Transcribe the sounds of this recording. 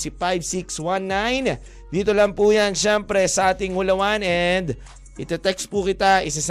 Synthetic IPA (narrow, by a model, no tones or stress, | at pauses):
sifajbsikswanːajn | d̪iːt̪olɐŋpuːjanʃɛmpɾɛsɐʔaːt̪ɪŋʊlɐwanɛnd̪ | ʔɪt̪ɛt̪ɛkspukɪt̪aʔɪsɐs